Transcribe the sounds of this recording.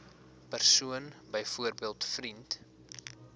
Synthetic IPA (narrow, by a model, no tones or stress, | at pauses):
pærsuənbəjfuərbiəlˠtfrint